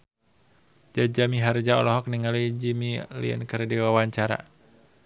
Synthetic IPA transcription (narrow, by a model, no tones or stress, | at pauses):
d͡ʒad͡ʒamiɦard͡ʒaɔ̰lɔɦɔk̚niŋalid͡ʒimilḭə̰nkərdiwawaɲt͡ʃaɾa̰